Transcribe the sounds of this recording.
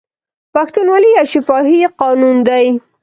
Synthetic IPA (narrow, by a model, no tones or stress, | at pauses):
paxt̪unwalijaʃɪfɑɦiqɑnund̪aj